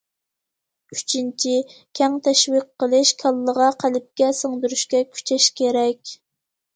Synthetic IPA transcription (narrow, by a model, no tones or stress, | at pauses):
yt͡ʃʰint͡ʃʰikʲʰɛŋt̪ʰɛʃwiqːəlˠɪʃkʲʰɑlˠːəʁɑqʰælɪp̚kʲɛsəŋd̪yɾyʃkʲɛkʲʰy̥t͡ʃʰɛʃkʲʰeɾɛkʲ